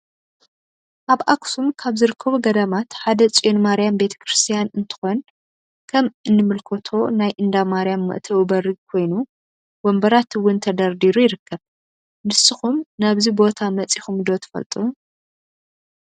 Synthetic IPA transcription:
ʔaβʔaksumkʰaβzɨɾɨkʰːɐβuɡɐd̪ɐmat̪ħad̪ɐt͡sʼonmaɾijambe̞t̪ʰɐ̥kʰɾɨst̪ʰijanɨnt̪ʰɨ̥xon | kʰɐmɨnːɨmɨlkʰot̪ʰo̞najʔɨnd̪amaɾijamːɨ̰ʔt̪ʰɐwɨbɐɾɨɡ̚kʰo̞jnu | wombɐɾat̪wʊnt̪ʰɐd̪ɐɾd̪iɾujɪɾɨkːɐβ | nɨsːɨxumnaβzibo̞t̪ʰamɐt͡sʼixumd̪o̞t̪ʰɐ̥fɐ̰lt̪ʼuu

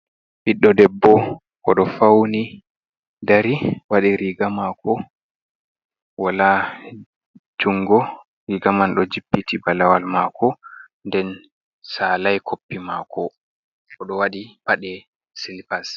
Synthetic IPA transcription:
biɗːɔdɛbːɔ | kɔɗɔfawni | daɾiwaɗiɾiɡamakɔ | wala | d͡ʒuŋɡɔ | ɾiɡamanɗɔd͡ʒipːitibalawalmaːkʰɔ | ndɛn | saːlajkʰopːimaːkʰɔ | kɔɗɔwaɗibaɗɛ | silpas

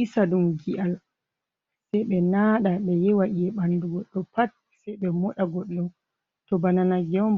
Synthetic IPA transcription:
ʔisaɗumɡiʔal | sɛjɓɛnaːɗaɓɛjɛwaʔiɛɓanduɡɔɗːɔpat̚ | sɛjɓɛmɔɗaɡɔɗːɔ | tɔbananaɡɛmb

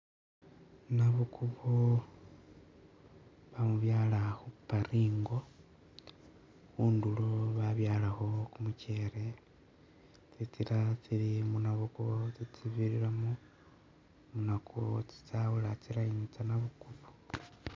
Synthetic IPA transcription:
naβukʰuβo | βamuβjaːlaxupaɾiːŋɡo̞ | xuːnduloβaβjaːlaxo̞kumuceɾe | t͡sit͡siɾat͡siɾimunaβukuβot͡sit͡siβiɾiɾamu | munakʰot͡si̥t͡saβulat͡silajiɲit͡sanaβukuβo

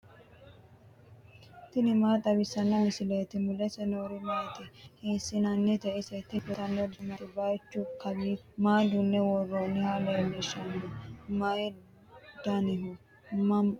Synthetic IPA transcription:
t̪ɪnɪmaːt̪ʼɐbɪsɐnːɐmɪsɪleːt̪ɪmʊlɛsɐnoːɾɪmɐjt̪ɪhɪnsɪnɐnːɛt̪ɛʔɪsɛt̪ɪpʊt̪ɐnːɔd̪ʊmɐt̪ɪbajt͡ʃːʊkɐbiː | maːd̪ʊnːɛwɔrːɔnːɪhaːlelɛʃːɐnːɐmɐj | d̪ɐnɪɦʊ | mɐ

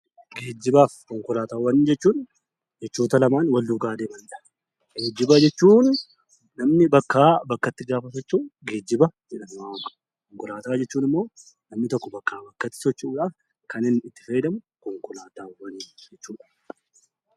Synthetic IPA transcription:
ɡeːd͡ʒːɪbaːfkɔŋkʊlaːt̪aːwːɐniːnd͡ʒɛt͡ʃːuːn | d͡ʒɛt͡ʃːuːt̪ɐlɐmaːnwɐlːuːɡaːd̪eːbɐnd̪ɐʔɐ | ɡeːd͡ʒːɪbad͡ʒɛt͡ʃːuːnː | ɐmnɪbɐkːaːbɐkːɐt̪ːɪɡaːfɐs̬ɔt͡ʃːuːɡeːd͡ʒːɪbɐd͡ʒɛᶑɐnʊwaːmɐ | kɔŋkʊlaːt̪aːd͡ʒɛt͡ʃːuːnɪmːo̞ː | nɐmnɪt̪ɔkːɔbɐkːaːbɐkːɐt̪ːɪ̥sɔt͡ʃːuːᶑaːf | kɐnɪnːɪt̪ːɪ̥fɐjd̪ɐmʊkɔŋkʊlaːt̪aːwɐniːd͡ʒɛt͡ʃːuːᶑɐ̥

